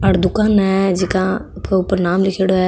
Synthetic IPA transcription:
ɐɽd̪ʊkaːnɛd͡ʒɪkãʊpəɾnaːmlɪkʰeːɽoɛː

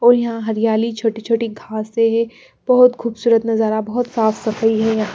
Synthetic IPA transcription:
ɔːɾjɐɦãɦɐɾɪjaːlit͡ʃʰoːʈit͡ʃʰoːʈiɡʱaːseɦɛ | b̥ɐɦʊt̪xuːbsuːɾət̪nɐzaːɾabɐɦʊt̪saːfsɐfəiɦɛjɐɦã

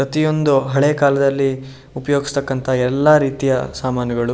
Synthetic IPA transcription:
pɾɐt̪ijo̞nd̪uɦɐɭeːkaːlɐd̪ɐlːi | upɐjo̞ːɡist̪ɐkːɐnt̪ʰɐɛlːaːɾiːt̪ijɐsaːmaːnjɐɡɐɭu

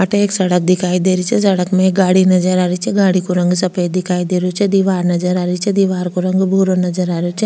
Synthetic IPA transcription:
aʈeeːksɐɽək̚d̪ɪkʰaːid̪eːɾit͡ʃʰɛsɐɽəkmẽeɡaːɽinɐd͡ʒəɾaːɾit͡ʃʰɛɡaːɽikoɾɐ̃ŋɡsɐpʰəjd̪ɪkʰaːid̪eːɾot͡ʃʰɛd̪iʋaːɾnɐd͡ʒəɾaːɾit͡ʃʰɛd̪iʋaːɾkoɾɐ̃ŋɡbʱoɾonɐd͡ʒəɾaːɾjot͡ʃʰɛ

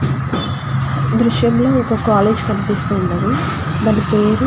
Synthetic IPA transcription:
d̪ɾuʂjɐmlo̞ːɔkɐkaːle̞ːd͡ʒkɐnipist̪uːnːɐɾu | d̪ɐnipeːɾu

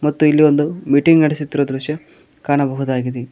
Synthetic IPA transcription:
mɐt̪ːuilːio̞nd̪umiʈiŋɡnɐɽesut̪ːiɾod̪ɾuʃjɐ | kaːɳɐbɐɦud̪aːɡid̪e

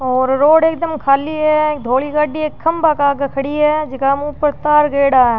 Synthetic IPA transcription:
ɔːɾːoːɖeːkd̪əmkʰaːliɦɛkd̪ʱoːɭiɡaːɖieːkʰːɐmbaːkaːɡɐkʰɐɽiɦɛd͡ʒɪkaːmũːpəɾt̪aːɾɡeːɽaːɛ

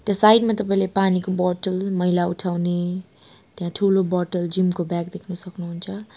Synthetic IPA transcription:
t̪jãsajdmat̪ʌp̬aĩlepanikobɔʈəlmʌɦilautʰawne | t̪ejãtʰulobɔʈəld͡ʒimkobak̚d̪ekʰnʌsʌknuɦunt͡ʃʰʌ

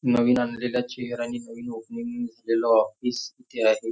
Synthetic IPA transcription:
nəʋiːnanleljat͡ɕeɦeɾañinəʋiːnoknimid͡zʱalelɔɔfisit̪ʰeɦaɦe

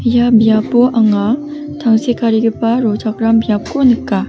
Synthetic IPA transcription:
jamiab͈oʔaŋa | taŋsʰek͈aɾiɡɯp͈aɾot͡ɕakɯɾamːiap̚k͈onik͈a

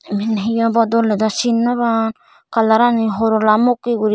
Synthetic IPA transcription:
minaɦijabadoledasinːaβan | kalaɾaniɦoɾolamokːiɡuɾi

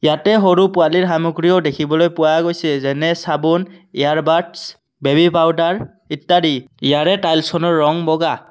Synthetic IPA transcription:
jatɛɦoɹupʊaliɹɦamuɡɹijɔdekʰibɔlojpʊwaɡojsɛzɛnɛsabɔnijaɹbaɹts | bebipawdaɹ | itːaɾi | ijaɹɛtajlsɔnɔɹːɔŋbɔɡa

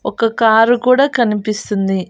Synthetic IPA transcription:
okːɐkaːrukuːɽɐkɐnipːist̪unːi

